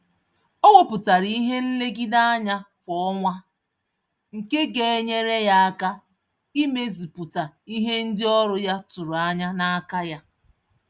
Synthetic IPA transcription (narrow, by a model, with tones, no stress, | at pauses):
o˦wo˦pʊ˨ta˨ɾi˦ɦe˦l̩˦le˦ɡi˦da˦a˦ɲa˦ | kʷɔ˨˦ɔ˦ŋʷa˦ | ŋ̩˨ke˦ɡe˨e˦ɲe˦ɾe˦ja˦a˦ka˦ | i˦me˦zi˨pʊ˨ta˨i˦ɦe˦n̩˦dɪ˦ɔ˦ɾʊ˦ja˦tʊ˨ɾʊ˨a˦ɲa˦na˦a˦ka˦ja˦